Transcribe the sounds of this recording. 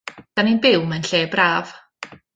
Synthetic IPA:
d̥aninbɪwmanɬeːbraːv̥

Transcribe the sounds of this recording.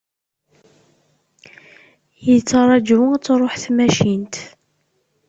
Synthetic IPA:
jət͡sːɑɾˤɑd͡ʒæt͡sːɾˤoħθmæʃint̪

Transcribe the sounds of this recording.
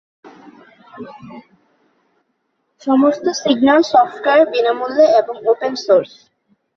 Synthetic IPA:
ʃɔmost̪osiɡnalsɔfʈkaɾbinamulːeeboŋopensoɾs

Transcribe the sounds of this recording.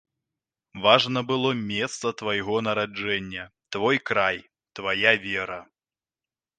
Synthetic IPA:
vaʐnɐbɨlˠɔmʲɛst̪sɐt̪vajɣɔnɐɾad͡ʐɛnʲːɐt̪vɔjkɾaj | t̪vajavʲɛɾɐ

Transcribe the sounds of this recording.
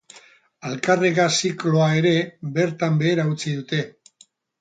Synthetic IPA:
alkareɣasiklo̞ae̞ɾe̞be̞ɾt̪ambe̞ːɾaut͡siðut̪e̞

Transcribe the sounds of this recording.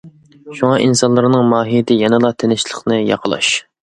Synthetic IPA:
ʃuŋɑʔinsɑnlˠɨɾnɨŋmɑːɦijd̪ɪjɛnɨlˠɑt̪ʰenɪʃlˠəχnɨjɑ̰qʰəlˠɑ̰ʃ

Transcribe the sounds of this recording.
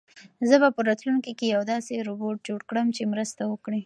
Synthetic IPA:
zəbapəɾɑt̪lunkikejawd̪ɑseɾoboʈ̚d͡ʒoɽkɽəmt͡ʃemɾəst̪awəkɽi

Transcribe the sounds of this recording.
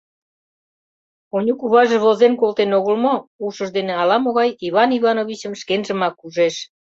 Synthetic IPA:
onʲukuβɑʒĕβozenkolt̪enoɣəlmouʃə̆ʒd̪eneɑlɑmoɣɑjiβɑniβɑnoβit͡ɕəmʃkenʒəmɑkːuʒeʃ

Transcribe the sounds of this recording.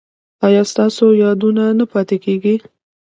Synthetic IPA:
ɑjɑst̪ɑsojɑd̪unanapɑt̪ekeɡi

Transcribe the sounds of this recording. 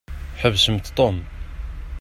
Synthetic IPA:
ħəvːsəmt̪t̪ˤom

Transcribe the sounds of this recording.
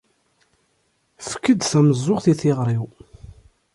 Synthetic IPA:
fə̥kːəd̪θæməzˤːoʁθiθiʁɾˤiw

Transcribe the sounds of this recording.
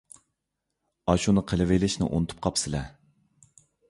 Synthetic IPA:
ɑʃunɨqʰəlɨvejlɪʃnɪ̰ʔo̰nɨt̪ʰu̥p̚qʰɑpsɪlɛ

